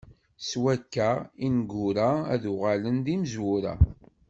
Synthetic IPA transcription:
swækːæinɡːʊɾaæðʊʁalənd̪iməzwʊɾa̰

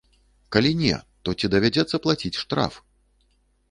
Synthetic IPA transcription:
kalʲinʲɛ̰t̪ɔt͡sʲid̪ɐvʲad͡zʲɛt̪sːɐplˠat͡sʲit͡sʲʂt̪ɾa̰f

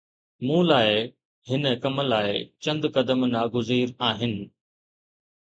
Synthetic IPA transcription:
mũːlaːɪ | hɪnəkɐməlaːɪt͡ɕɐ̃nd̪kɐd̪əmnaːɡʊziːɾaːɦɪnɪ̆

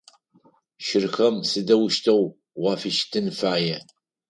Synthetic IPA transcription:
ʃɪrxɐmsɨdɐwʊʃtʰɐw | wɑːfɨʃtʰɨnfaːjɛ

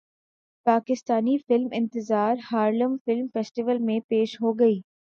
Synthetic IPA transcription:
paːkɪst̪aːnifɪlmɪ̰̃nt̪ɪzaːɾhaːɾləmfɪlmfeːsʈiʋəlmẽpeːʃɦoɡɐiː

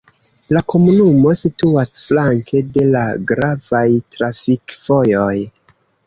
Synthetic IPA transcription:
lako̞munumo̞situasflaŋkʰe̞de̞laɡɾavajtɾafikv̥o̞jo̞j

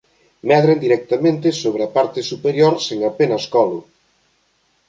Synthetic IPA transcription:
mɛðɾend̪iɾɛk̚t̪amẽnt̪ɪsoβɾapaɾt̪ɪsupeɾjoɾseŋapenɐskɔlʊ

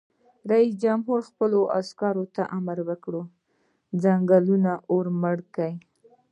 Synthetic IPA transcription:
ɾais̬d͡ʒamɦuɾxpəloʔa̰skɑɾot̪aʔamaɾwəkɽo | d͡zaŋɡalunaʔoɾməɽkaj

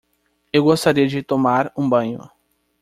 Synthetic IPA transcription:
ewɡost̪aɾiɐd͡ʒɪt̪omaɾũbɐ̃ɲʊ̰

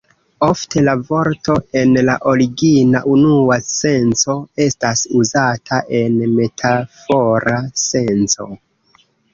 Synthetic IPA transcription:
o̞ftʰe̞lavo̞ɾto̞e̞nlaʔo̞ɾiɡinaʔunuase̞nt͡so̞e̞stasuzatʰaʔe̞nme̞tʰafo̞ɾase̞nt͡so̞̰

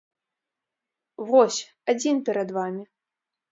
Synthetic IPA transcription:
vɔsʲ | ad͡zʲinpʲɛɾɐd̪vamʲi

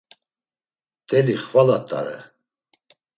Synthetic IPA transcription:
t̪ʼɛliχvalat̪ʼa̰ɾɛ̰

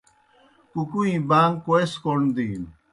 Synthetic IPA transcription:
kukuĩbaːŋɡkoeskoɾɳd̪iːn

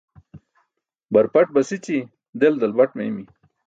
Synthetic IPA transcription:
bɐɾpɐʈ̚bɐsit͡ɕi | d̪eld̪ɐlbɐʈmemi

